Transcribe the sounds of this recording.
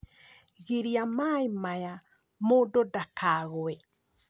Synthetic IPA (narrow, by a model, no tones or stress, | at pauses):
ɣiɾiamaimaja | mododakʰaɣoe